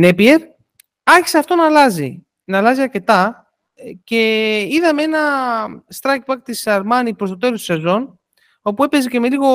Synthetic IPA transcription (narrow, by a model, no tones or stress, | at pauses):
nepieɾ | ɐçi̥seɐft̪o̞nɐːlɐzḭ | nɐːlɐziɐɾce̞t̪ɐ | ce̞iðɐmee̞nɐst̪ɾɐk̚puɐkt̪isɐɾmɐnipɾost̪ot̪e̞lost̪u̥sezo̞n | o̞pue̞pe̞zece̞me̞liɣo̞